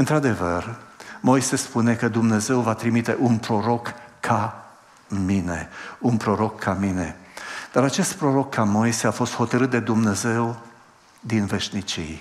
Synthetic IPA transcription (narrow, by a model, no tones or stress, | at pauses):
ɨnt̪ɾad̪e̞vərmo̞jse̞spune̞kəd̪umne̞ze̞wvat̪ɾimit̪e̞ʔunpɾo̞ɾo̞kːa | mine̞̰unpɾo̞ɾo̞kʰːamine̞d̪̥aɾat͡ʃe̞st̪̚pɾo̞ɾo̞kʰːamo̞jse̞afo̞st̪ho̞t̪əɾɨt̪̚d̪e̞d̪umne̞ze̞w | d̪inve̞ʃnit͡ʃḭj